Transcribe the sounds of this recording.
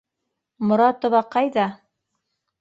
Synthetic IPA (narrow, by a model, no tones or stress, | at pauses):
mŏɾɑt̪ŏβɑqɑjðɑ